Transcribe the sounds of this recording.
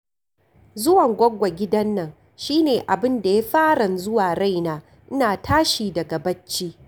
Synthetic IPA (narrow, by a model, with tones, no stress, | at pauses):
zʊ˦wɐ˨ŋɡʷɐ˦ɡʷa˨ɡʲɪ˦dɐ˦nːɐ˨ŋ | ʃiː˦neː˨ʔa˨bɪ˦nda˨ja˦ɸaː˦ɽɐ˨nzʊ˦waː˨ɽa˦jnaː˦ | ʔɪ˦naː˨tʰaː˦ʃiː˨dɐ˨ɡa˨bɐ˦t͡ʃːiː˦